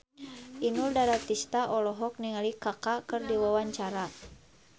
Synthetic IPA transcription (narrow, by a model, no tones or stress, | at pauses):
ʔinuldaɾat̪ist̪aʔɔlɔɦɔk̚niŋalikakakɨrdiwawaɲt͡ʃaɾa